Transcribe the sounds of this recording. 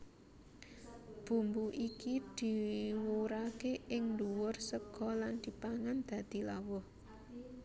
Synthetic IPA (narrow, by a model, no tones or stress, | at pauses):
b̥ṳmbuʔikid̪̥i̤wuɾakeʔɪŋnduwʊrsəɡ̥ɔland̪̥i̤paŋand̪̥ä̤d̪̥i̤lawʊh